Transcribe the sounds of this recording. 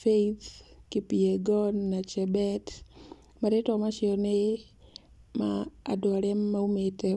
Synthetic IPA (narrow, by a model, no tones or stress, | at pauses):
fejt̪kipieɡɔnːat͡ʃɛbɛt | maɾɪtɔmaʃɪɔne | ma̰ːdwaɾɛmːaumete